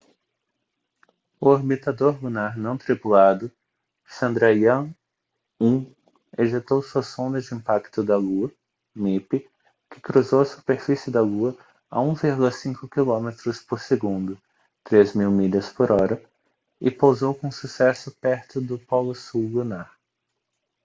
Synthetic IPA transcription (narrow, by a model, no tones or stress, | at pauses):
ʊoɾbit̪ad̪oɾlunaɾnɐ̃w̃t̪ɾipulad̪ʊ | sɐ̃nd̪ɾajɐ̃ | ũ | eʒit̪owsuɐsõnd̪ɐd͡ʒɪĩmpakt̪ʊd̪ɐluɐ | mipɪ | kɪ̥kɾuzowɐsu̥peɾfisɪd̪ɐluɐ | a̰ũviɾɡulˠɐsĩkʊkilõmet̪ɾʊspoɾseɡũnd̪ʊ | t̪ɾezmiwmiʎɐspoɾɔɾɐ | ɪpowzowkõsusɛsʊpɛɾt̪ʊd̪ʊpɔlʊsuwlunaɾ